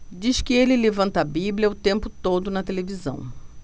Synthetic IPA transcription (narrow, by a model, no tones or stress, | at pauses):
d͡ʒiskɪelɪlevɐ̃nt̪ɐbiblʲɐʊt̪ẽmpʊt̪od̪ʊnɐt̪elevizɐ̰̃w̃